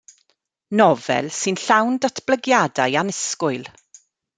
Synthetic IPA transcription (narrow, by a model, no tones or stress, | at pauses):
nɔvɛ̰lˠsɨnɬawndatʰb̥ləɡjadajanɛskʊɨlˠ